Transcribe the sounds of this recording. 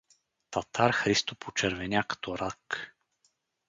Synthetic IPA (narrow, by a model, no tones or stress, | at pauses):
t̪at̪ʰaɾxɾist̪opʰot͡ʃɛɾvɛnʲjakə̥t̪oɾak